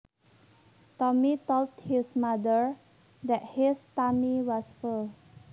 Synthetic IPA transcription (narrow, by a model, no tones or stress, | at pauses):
t̪ɔmit̪olthismadəɹ | d̪ɛt̚histamiwɔsful